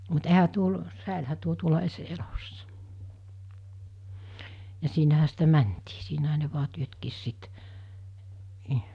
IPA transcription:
mut ehæ tuol sæˑelhæ tuo tuolɑ es elosːɑ̥ jɑ siːnæhæ sitæ mæntiː siːnæhæ ne ʋuɑ tyøtkiːs sit niː

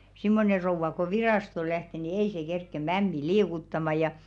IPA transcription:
simːone rouʋˑɑ ko ʋirɑˑsto læhte ni ei se kerkːe mæmːi liːkutːɑmɑ jɑ

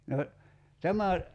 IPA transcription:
no tæmæ

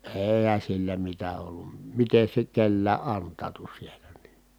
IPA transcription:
eːhæn̞ silːæ mitæ olːum miten̞ se nyt kelːæː ʔɑntˑɑːtu sielæ ni n̥i̥ː

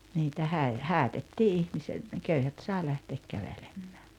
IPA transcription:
niːtæ hæi hæːtetːiː ihmise ne køyhæt sɑˑi læhteːk kæʋelemm̥æ̥ː

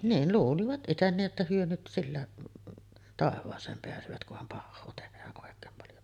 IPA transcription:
niːn luːliʋɑt ʔiten niːʔ ʔetːæ hyø nyt silːæ tɑˑeʋˑɑːsˑeːm peæsøʋæt kuhɑm pɑhːoː tehæːʔ ʔoˑekˑeːm pɑljo

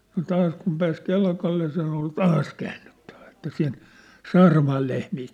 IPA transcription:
no tɑːs kum pæːs kelkɑlːe sen ol tɑːs kæːnːytːæ̥ʋ̥æ̥ etːæ sen sɑːrɑmɑːl lehmiː

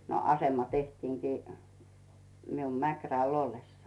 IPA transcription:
no ɑsemɑ tehtiːŋkiː mium mækræl olːesːɑi

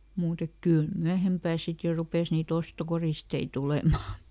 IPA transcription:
muːt ek kyˑl myæhempæː sit jo rupes niːt ostokoristei tulemɑˑ

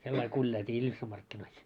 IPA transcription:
selːɑil kulʲjɑiltʲiː iljusːɑm mɑrkːinois

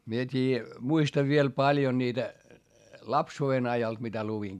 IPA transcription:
mie tʲiː muistɑʋ ʋiel pɑljo niːtæ lɑpsuːen ɑjɑlt mitæ luʋiŋ

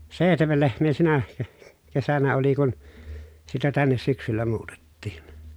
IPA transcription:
seˑihtemel lehmˑeː sinæ ke kesænæ oli kun sitæ tænːes syksylːæ muːtetːiːn

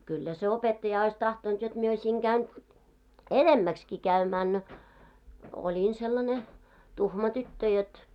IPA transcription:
kylːæ se opetːɑjɑ ois tɑhtont jot mie oisʲiŋ ɡ̊æyn enemːækski kæymæːn no olin selːɑne tuhmɑ tytːø jot

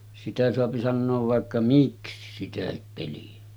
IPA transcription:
sitæ soɑpi sɑnːoːʋ ʋɑˑekːɑ miksi sitæhip peliæ

